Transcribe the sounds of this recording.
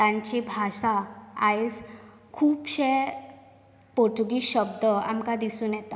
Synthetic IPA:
t̪ãɲt͡ɕibʱaɕaa̰es | kʰuːpɕe | poʈuɡiːɕəbd̪əa̰mkad̪isuːnjɛt̪a

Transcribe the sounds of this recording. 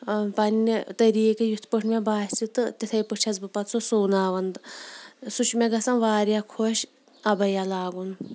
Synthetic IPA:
pɐnːit̪ɐɾiːkejut̪ʰpəʈʰmebaːt͡sit̪ɨt̪ʲit̪ʰɐjpət͡ʃʰɐzbɨpɐt̪sosoːnaːʋɐnd̪ | sut͡ʃʰmeɡɐsɐnʋaːɾjakʰoʃ | ɐbɐjalaːɡun

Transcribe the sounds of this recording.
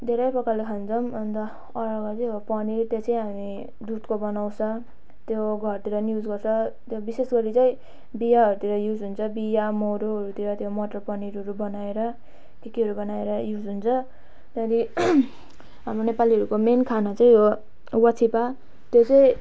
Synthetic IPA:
d̪ʱeɾʌjpʌkalekʰand͡zʌmʌnt̪ʌ | ʌɾʌɡʌt͡sijopʌnit̪jot͡sʌĩɦami | d̪ut̪kobʌnawsʰʌ | t̪joɡʱʌrt̪iɾʌnjud͡zɡʌrt͡sʰʌt̪jobisesɡʌɾit͡sʌĩ | bijaɦʌɾut̪iɾʌjud͡zɦunt͡sʰʌbijamowɾoɦʌɾut̪iɾʌt̪jomʌʈʌrpʌniɾɦʌɾubʌnaeɾʌ | kekiɦʌɾubʌnaeɾʌjud͡zɦunt͡sʰʌ | t̪ʌɾi | ɦamɾonepaliʌɾukomenkʰanat͡sʌĩo | wʌt͡sʰipa | t̪jot͡sʌĩ

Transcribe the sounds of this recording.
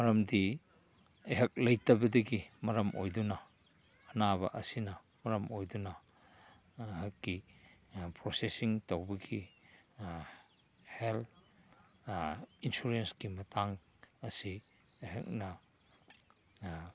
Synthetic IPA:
mɐɾɐmdi | eɦɐk̚lɐjtɐbɐdɐɡimɐɾɐmʔojdunɐ | ɐnaβɐʔɐsinɐ | mɐɾɐmojdunɐ | ɦɐkːi | pɾosesiŋtɐwbɐɡi | hel | insuɾenskimɐtʰaŋ | ɐsi | eɦɐ̰k̚nɐ

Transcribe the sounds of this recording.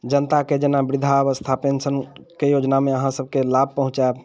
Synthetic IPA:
d͡ʒənt̪aked͡ʒenabɾid̪ʱaβəst̪ʰapensənkejod͡ʒnameəɦãsəb̚ʱkelab̚ʱpəɦũt͡ʃab

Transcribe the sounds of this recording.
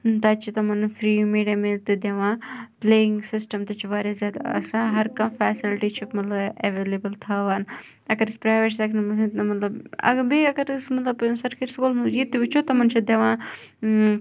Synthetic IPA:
t̪ɐt͡ʃʰit̪ɐmɐnfɾiːmiːɖɐmelt̪ɨd̪ɐʋãːpleːɪŋɡsɪsʈɐmt̪ɐt͡ʃʰiʋaːɾezʲaːd̪ɐ̰sãɦɐɾkɐmfɛːsilʈit͡ʃʰimɐt̪lɐbeʋeːlebɐlt̪ʰaːʋaːn | ɐɡɐɾɨspɾaːjʋeʈsɐkʰnɐmmɐt̪lɐbɐ̰ɡbeːɐɡɐɾsmɐt̪lɐbsɐɾkeʈskuːlnujit̪ːiʋit͡ʃʰot̪ɐmɐnt͡ʃʰid̪ɐʋãː

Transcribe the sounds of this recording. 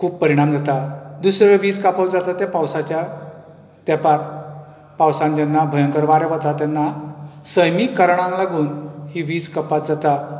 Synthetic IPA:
kʰuːppːəɾiɽ̃amd͡zat̪ad̪usɾəʋiːd͡zkapəd͡zat̪at̪apawsat͡ɕja | t̪ɛpaɾ | pawsãnd͡ʑɛnːabʱəjəŋkəɾʋaɾeʋat̪at̪ɛnːasəjmikːəɾɳ̃ãnlaɡuːnhiʋiːd͡zkəpat̪̚d͡zat̪a

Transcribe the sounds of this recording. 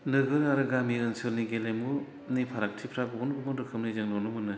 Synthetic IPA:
nɯɡɯɾaɾɯɡamiɯnsɯɾniɡelemu | nipʰaɾak̚tʰipʰɾabɔɔnbɯmɯdɯkʰɯmnɯjzɯŋnɔnɯmɯnɯ

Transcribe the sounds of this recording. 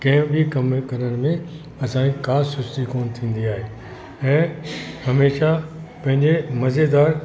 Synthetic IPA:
kɛ̃ːbʱikɐmkɐɾəɽ̃̆mẽ | ɐsãːɲikaːsʊt͡ɕt̪ikoːnt̪ʰĩːn̆d̪iaːɦeː | ɛ̃ːhɐmeːʃa | pɐ̃ɦɪ̃ɲd͡ʑemɐzed̪aːɾ

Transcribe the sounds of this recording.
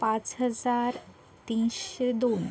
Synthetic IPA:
pãt͡sɦəd͡zaɾ | t̪insɕed̪on

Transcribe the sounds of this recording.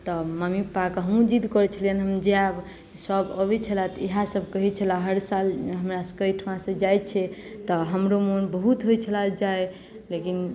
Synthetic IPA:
t̪ɔməmipakɦəmũd͡ʒid̪kɔɾɛt͡ʃʰəlijənɦəmd͡ʒeab | səbəbɛt͡ʃʰəlat̪iɦãsəb̚ʱkəɦit͡ʃʰəlaɦəɾsalɦəmɾasəkəjʈʰʋãsə̃d͡ʒaj̪̚t͡ʃʰɛ | t̪ɔɦəmɾomonbəɦut̪ɦojt͡ʃʰəlad͡ʒae | lekin

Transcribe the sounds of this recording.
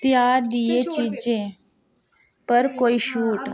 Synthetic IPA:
t̪jaɖijet͡ɕid͡ʑẽ | pəɾkoiɕuːʈ

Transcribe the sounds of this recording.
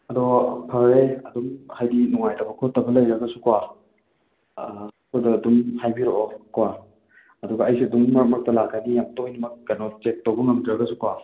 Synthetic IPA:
ɐdɔpʰɐɾeɐdumhajdinuŋajtʰɐbɐkʰotːɐbɐlɐjɾɐɡɐsu̥kwa | kɐdɐːdumhajbiɾoʔokwa | ɐduɡɐɐjsiɐduŋmɐɾmɐk̚tɐlak̚ːanijamtojnɐmɐk̚ːɐnot͡ʃek̚towbɐŋɐmdɾɐɡɐsukwa

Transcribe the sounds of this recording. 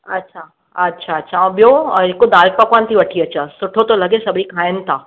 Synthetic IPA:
ɐtːʃʰa | ɐtːɕʰaɐtːʃʰãbijoɦekod̪aːlpɐkant̪ʰiʋɐʈʰiɐt͡ɕasʊʈʰot̪olɐɡesɐbʱɽikʰaːjənɪ̆t̪ʰaː

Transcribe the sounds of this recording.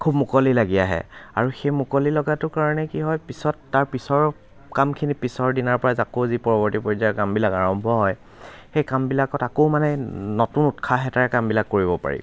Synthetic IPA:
kʰubmʊkɔlilaɡiaɦɛ̰a̰ɹuxejmʊkɔlilɔɡatʊkaɹɔnɛkiɦɔjpisɔtːaɹpisɔɹ | kamkʰinipisɔɹdinaɹpɔɹazakowzipɔɹɔbɔɹtipɔjzakambilakaɹɔmbʱɔɦɔj | xejkambilakɔtakoʊmanɛnotunutkʰaɦɛtaɹɛkambilakːoɹiβɔpa̰ɹḭ

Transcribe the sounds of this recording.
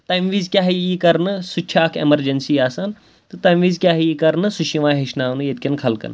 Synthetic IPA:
t̪ɐjmʋiːzkʲaːɦiikɐɾnɨsut͡ʃʲʰaːkʰḛmɐɾd͡ʒɐnsiaːsaːn | t̪ɨt̪ɐmʋiːzkʲaːɦjikɐɾnɨsuʃʰiʋãːɦeʃnaːnɨjet̪̚kʲɐnkʰɐlkɐ̰n

